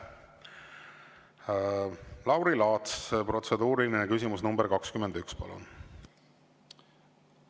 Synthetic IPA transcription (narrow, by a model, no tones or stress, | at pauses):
lɑwɾilɑːt̪spro̞t̪se̞d̪uːɾilinekys̬ʲimusnumbeɾkɑkskymend̪ykspɑ̰lṵn